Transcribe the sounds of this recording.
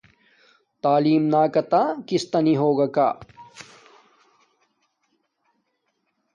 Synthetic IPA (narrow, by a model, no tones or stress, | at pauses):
t̪aːliːmnaːkɐt̪aːkist̪ɐniɦoːɡɐka̰ː